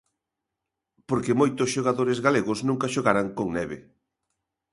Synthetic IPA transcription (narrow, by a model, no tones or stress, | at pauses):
poɾkemojt̪ʊsʃoɣ̞aðoɾezɣaleɣʊsnũŋkaʃoɣaɾaŋkoŋnɛβe